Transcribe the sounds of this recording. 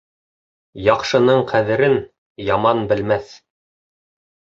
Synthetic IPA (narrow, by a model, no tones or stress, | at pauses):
jɑqʃɤ̆nɤɴqʰæðɘ̆ɾɘn | jɑmɑnbɘ̆lmæθ